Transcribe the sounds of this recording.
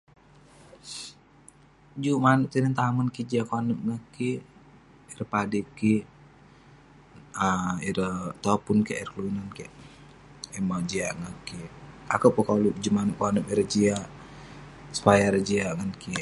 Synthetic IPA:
d͡ʒumant̪inənt̪amənkid͡ʒiakwanəmp̚ŋaki | iɾəpadiki | əiɾət̪ɔpunkiiɾəkluinankɛʔ | imad͡ʒiaʔŋakiakapukalud͡ʒumanəkanəpiɾəd͡ʒia | su̥pajaɾəd͡ʒiaŋanki

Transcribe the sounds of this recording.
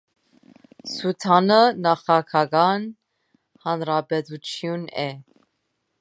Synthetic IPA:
sut̪ʰɑnənɑχɑkʰɑɡɑn | hɑnɾɑbɛt̪ut͡sʰjunɛ

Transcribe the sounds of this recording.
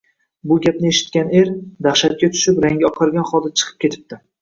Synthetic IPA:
bʊɡʲap̚nɪeʃɪ̥t̪̚kʲane̞ɾd̪aχʃat̪̚kʲat̪ʰʊ̥ʃɪpɾaŋɡʲaɒqʰɨɾɡʲanχɒd̪at͡ʃʰɨ̥qʰɨp̚kʲʰe̞t̪ʰɪ̥p̚d̪ɪ

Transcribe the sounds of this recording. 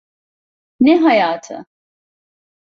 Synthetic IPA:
neɦɐjaːt̪ʰɐ̰

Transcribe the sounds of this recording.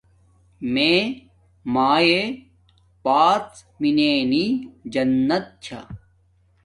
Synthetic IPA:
mẽː | maːje | paːt͡s | mineːnid͡ʑɐnːɐt̪̚t͡ɕʰa̰

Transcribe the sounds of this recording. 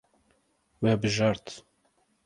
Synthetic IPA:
wɛbɨʒɑɾt̪

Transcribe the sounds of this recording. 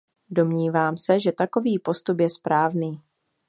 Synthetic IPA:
do̞mɲiːvaːmsɛʒɛt̪ako̞viːpo̞st̪upjɛspɾaːvniː

